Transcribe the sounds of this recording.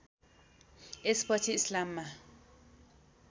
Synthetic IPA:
ɛspɔtʰislamːa

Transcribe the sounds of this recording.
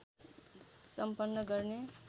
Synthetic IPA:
sʌmpʌnːʌɡʌrne

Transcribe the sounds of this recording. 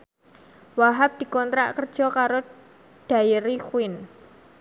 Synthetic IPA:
waɦap̚d̪̥i̤kɔnt̪ɾaʔkərd̥ʒ̥ɔ̤kaɾo | d̥a̤jiɾikwɪn

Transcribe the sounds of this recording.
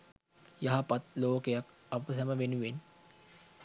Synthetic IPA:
jɐɦapɐt̪loːkejak | ɐpəsɐməʋenuʋen

